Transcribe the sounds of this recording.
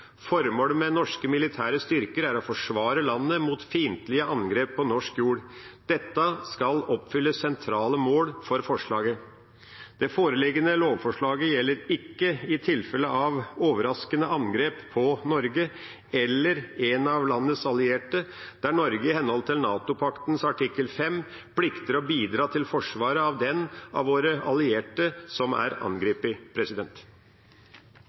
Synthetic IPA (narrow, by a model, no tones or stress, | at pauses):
fɔɾmoːlmɛnɔʂkəmɪlɪt̪ʰæːɾəst̪ʏɾkəɾæɾɔfɔʂʋɑːɾəlɑnːəmuːt̪fiːnt̪lɪəʔɑnɡɾeːpʰːɔnɔʂkjuːɽd̪̥ɛt̪ːəskɑlɔpːfʏlːəssɛnt̪ʰɾɑːləmoːlfɔɾfɔʂɭɑːɡə | d̪̥ɛfoːɾəlɪɡənəloːʋfɔʂɭɑːɡəjɛlːəɾɪkːəɪt̪ʰɪlfɛləʔɑʋoːʋəɾɑskənəʔɑŋɡɾeːppʰɔnɔɾɡə | ɛlːəɾɛnɑʋlɑnːəsɑlɪeːʈəd̪̥æɳɔɾɡəɪhɛnːhɔlt̪ʰɪlnɑːt̪ʊpʰɑkt̪n̩sɑʈɪkːəlfɛm | pʰlɪkt̪əɾɔbiːd̪ɾɑːt̪ʰɪlfɔʂʋɑːɾəɑʋd̪ɛnʔɑ̰ʋoːɾəɑlɪeːʈəsɔmæ̰ɾɑ̰nɡɾiːpɪpʰɾɛsɪd̪ɛnt̪